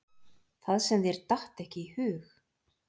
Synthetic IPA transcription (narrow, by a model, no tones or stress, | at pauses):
θaðsɛmðiɛɾt̪aht̪ɛhcɪihʏːx